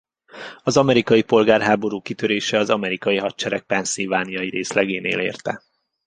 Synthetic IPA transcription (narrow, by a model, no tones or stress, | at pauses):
ɒzɒmɛɾikɒjipo̞lɡaːrɦaːbo̞ɾuːkit̪øɾeːʃɛɒzɒmɛɾikɒjiɦɒtt͡ʃɛɾɛk̚pɛnsilvaːnijɒjiɾeːslɛɡeːneːleːrt̪ɛ